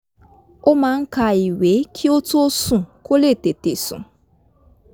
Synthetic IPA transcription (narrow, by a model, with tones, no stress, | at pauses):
ʊ˦ma˨ŋ̩˦ka˨i˨we˨˦kʰi˦o˦tu˦o˦su˨kʰo˦le˦˨te˨te˨sʊ̰˨